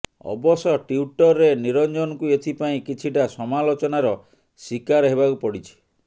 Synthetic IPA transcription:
ɔ̰bɔsɔʈiuʈɔɾːeniɾɔnd͡ʒɔnɔkuet̪ʰipaĩkit͡ʃʰiʈasɔmalot͡ʃɔnaɾɔ | sikaɾɦebakupɔɽit͡ʃʰi̥

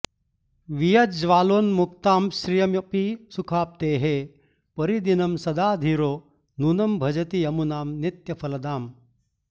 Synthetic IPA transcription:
ʋijɐt̪d͡ʒʋaːloːnmuk̚t̪aːmʃɾijɐmjɐpisukʰaːp̚t̪eːɦeː | pɐɾid̪inɐmsɐd̪aːd̪ʱiːɾoː | nunɐmbʱɐd͡ʒɐt̪iɐmunaːmnit̪jɐpʰɐlɐd̪aːm

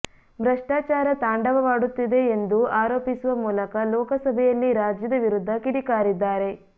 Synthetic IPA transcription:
bɾɐʂʈaːt͡ʃaːɾɐt̪aːɳɖɐʋɐʋaːɽut̪ːid̪e̞ːnd̪uaːɾoːpisuʋɐmuːlɐkɐlɔːkɐsɐbʱɛjɐlːiɾaːd͡ʒjɐd̪ɐʋiɾud̪ʱːɐkiɽikaːɾid̪ːaːɾe̞

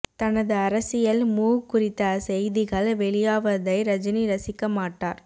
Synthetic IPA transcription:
t̪ɐnɐðɯɐɾɐsɪjɐlmuːkːʊrɪt̪ːɐsɛjðɪɣɐɭʋɛɭɪjaːʋɐðɐɪɾɐd͡ʒɐniɾɐsɪkːɐmaːʈːaːɾ

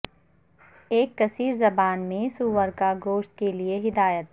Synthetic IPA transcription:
eːkːɐsiːɾzɐbaːnmẽsuːʋəɾkaɡoːʃt̪̚kelieɦɪd̪aːjət̪

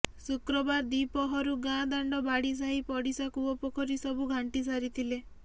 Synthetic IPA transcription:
sukɾɔbaɾd̪ipɔɦɔɾuɡãd̪aɳɖɔbaɽis̬aɦipɔɽisakuɔpɔkʰɔɾisɔbuɡʱaɳʈis̬aɾit̪ʰile

